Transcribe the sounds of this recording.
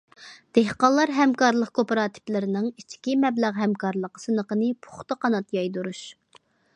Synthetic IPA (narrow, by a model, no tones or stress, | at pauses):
d̪̥eɦqɑlˠːɑɾɦɛmkɑɾlˠəqkʰopɾɑːt̪ʰi̥plɪɾɪnɪŋit͡ʃʰi̥kʲimɛblæʁɦɛmkʰɑɾlˠəqə̥sɨnəqənɨpʰo̥χt̪ɑqʰɑnɑt̪jɑjd̪uɾuʃ